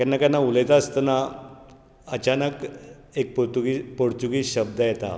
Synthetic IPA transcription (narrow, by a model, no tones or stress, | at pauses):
kɛnːakanːaulejt̪aəst̪əna | ət͡ɕanək | ek̚pot̪uɡipoɽt͡suɡiːɕəb̚d̪əjɛt̪a̰